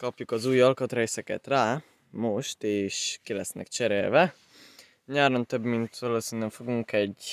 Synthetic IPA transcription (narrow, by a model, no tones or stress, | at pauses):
kɒpjukɒzuːjɒlkɒt̪rɛjsɛkɛ̰t̪raː | moʃt̪eːʃkilɛsnɛ̰kt͡ʃɛɾeːlvɛ | ɲaːɾont̪øbmint̪ʋɒloːsinɛɱfo̞ɡuŋkɛɟ